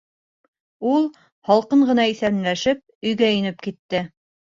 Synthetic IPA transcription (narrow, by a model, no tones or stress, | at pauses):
ulˠ | hɑlˠqɤɴɢɤ̆nɑiθæɾɘ̆mlæʃɘp̚ɵ̆jɡæĭnɘpkit̪ːɘ